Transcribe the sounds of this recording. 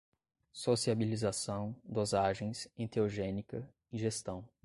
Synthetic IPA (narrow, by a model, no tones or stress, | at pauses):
sosiabilizasɐ̃w̃d̪ozaʒẽj̃sẽt̪eoʒẽnikɐ | iʒest̪ɐ̃w̃